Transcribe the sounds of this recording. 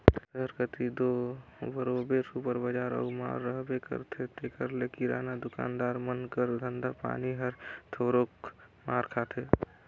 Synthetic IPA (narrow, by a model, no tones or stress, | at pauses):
dəɾkət̪id̪obəɾobesupəɾbəd͡ʒaːɾə̰uma̰ɾːəɦbekə̰ɾt̪ʰet̪ekəɾlekiɾa̰ːnad̪ʊka̰ːnd̪aːɾmənkəɾd̪ʱənd̪apa̰niɦəɾt̪ʰoɾok | maɾkʰat̪ʰe